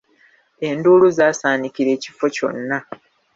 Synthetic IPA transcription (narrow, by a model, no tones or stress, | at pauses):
e̞nduːluzaːsaːnikiɾe̞ːci̥fo̞co̞̰nːa